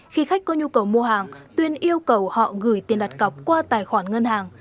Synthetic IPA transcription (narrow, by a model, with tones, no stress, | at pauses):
xi˧xa˦˥k̟̚kɔ˧ɲu˧kə˨˩wmu˧əɦaː˨˩ŋt̪wi˧ənʔi˧əwkə˨˩whɔ̰˧˨ɣɨ˧˩˦jt̪i˨˩ənɗa˨˩t̚kə˨˩p̚kwaː˧t̪aː˨˩jxwaː˧˩nŋə˧nhaː˨˩ŋ